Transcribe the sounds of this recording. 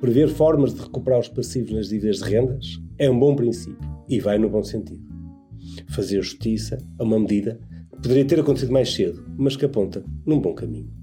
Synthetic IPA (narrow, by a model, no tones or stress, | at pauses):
pɾɨveɾfɔɾmɐʒðɨʁɨkupɨɾaɾuʃpɐsivɐʒðˠiviðɐʒðɨʁẽnd̪ɐʃɛũbõpɾĩsipjuivajnuβõsẽnt̪iðu | fɐzeɾʒuʃt̪isɐɐumɐmðiðɐkɨ̥puðɨɾiɐt̪eɾɐkõt̪siðumajʃseðumɐʃkɐpõnt̪ɐnũbõkɐmḭ̃ɲu